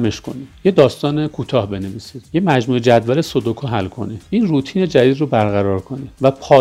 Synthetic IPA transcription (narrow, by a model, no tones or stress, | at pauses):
meʃkʰo̞̰ni̥jed̪ɒːst̪ɒːnekʰuːt̪ʰɒːhbe̞neviːsiːd̪̥jemæd͡ʒmuːed͡ʒæd̪vælesod̪okʰɔɦælkʰo̞̰nid̪ʔiːnruːt̪ʰiːne̞d͡ʒæd̪iːd̪robæɾɣæɾɒːɾkʰo̞nid̪̥væpʰɒː